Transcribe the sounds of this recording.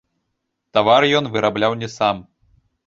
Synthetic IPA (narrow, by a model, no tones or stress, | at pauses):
t̪avarjɔnvɨɾablʲawnʲɛsam